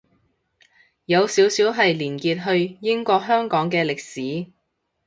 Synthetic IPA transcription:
jɐ˨˧wsiː˨˥wsiː˨˥wɦɐ˨jliː˨˩nkiː˧t̚ɦɵ˧ɥjɪ˥ŋkʷɔː˧k̚ɦœː˥ŋkɔː˨˥ŋkɛː˧lɪ˨k̚siː˨˥

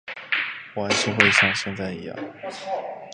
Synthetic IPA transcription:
wnʂ̩˥xwe˥˧ɪɕɑ˥˧ŋɕjɛ˥˧nt͡sa˥˩ɪḭ˧˥jɑ̰˥˩ŋ

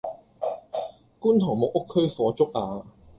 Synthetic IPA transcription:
kuː˥nt̪ʰɔː˨˩ŋmʊ˨k̚ʊ˥kʰːɵ˥ɥfɔː˨˧t͡sʊ˥k̚aː˧

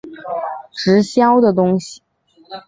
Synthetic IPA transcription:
ʈ͡ʂɻ̩˧˥ɕjɑ˥ʊd̪ə˨t̪ʊ˥ŋɕi̥˨

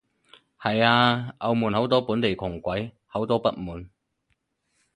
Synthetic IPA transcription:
hɐ˨jaː˧ʔɐ˨˧wmuː˨nho˨˥wt̪̬ɔː˥puː˨˥nt̪e˨jkʰʊ˨˩ŋkʷɐ˨˥j | hɐ˨˥wt̪ɔː˥pɐ˥t̚muː˨˩n

